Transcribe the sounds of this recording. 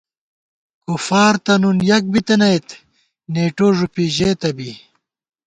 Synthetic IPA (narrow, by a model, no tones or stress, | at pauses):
kufaːɾt̪ɐnunjɐk̚bit̪ɐnɐjet̪ | neːʈoːʐupiʑeːt̪ɐbi